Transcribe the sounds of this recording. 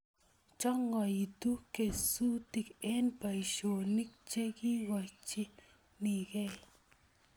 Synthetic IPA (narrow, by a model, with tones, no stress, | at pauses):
t͡ʃɔ˦ŋɔ˨i˨tu˦ke˨su˦ti˨ke˦npa˨i˨ʃo˨ni˦k̚t͡ʃe˦ki˦wa˨t͡ʃi˦ | ni˨ke˦